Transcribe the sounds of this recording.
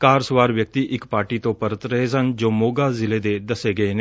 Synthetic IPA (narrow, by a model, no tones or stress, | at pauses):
kaːɾsʋaːɾʋjək̚t̪iːʔɪkpaːɾʈiːt̪õːpəɾət̪ɾəɦesənd͡ʒoːmoːɡaːzɪleːd̪eːd̪əseːɡəeːneː